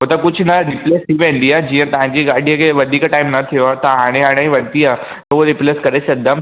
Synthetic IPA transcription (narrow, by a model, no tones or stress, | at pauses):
ɦot̪əkʊd͡ʑʱnɐɾɪpleːst̪ʰiʋẽːnd̪iaːd͡ʑiːə̃t̪ɐʋ̤ãɲd͡ʑiɡaɖʱijəkʰeʋɐd̪ʱiːkʈaːimnɐt̪ʰijoaːt̪ɐɦaːɽ̃ẽɦãːɽ̃ãːĩʋɐnt̪iaː | t̪ɐɦuɾɪpleːskɐɾesɐd̪am